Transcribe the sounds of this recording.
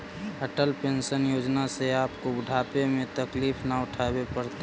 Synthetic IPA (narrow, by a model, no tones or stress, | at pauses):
əʈəlpensənjoːd͡ʒnaseaːpkobʊɖʱapemẽt̪əkliːpʰnaʊʈʰabepəɾt̪e